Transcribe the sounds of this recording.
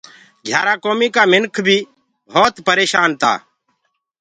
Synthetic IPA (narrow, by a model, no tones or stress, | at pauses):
ɡʱjaːɾaːkoːmiːkaːmɪnkʰbʱiː | bʱɔːt̪pəɾeːʃaːnt̪a̰ː